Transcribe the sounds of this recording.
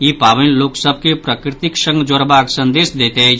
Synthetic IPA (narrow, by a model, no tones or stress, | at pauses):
jiːpaːʋənloːksəb̚ʱkepɾaːkɾɪt̪ɪkʃə̃ŋɡd͡ʒoɾbʱaːɡsɐ̃nd̪eːʃd̪eːt̪eɦɛ